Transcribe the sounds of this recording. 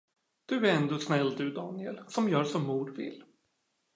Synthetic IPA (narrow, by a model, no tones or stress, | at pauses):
d̪̥ɵæɾɛnd̪oːsnɛlːd̪ɵd̪ɑːnɪɛlsɔmjœːʂɔmːuːɖvɪ̰lː